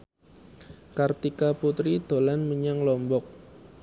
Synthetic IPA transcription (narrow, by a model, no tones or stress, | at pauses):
kart̪ikaput̪ɾid̪̥o̤lanməɲaŋlɔmbɔk̚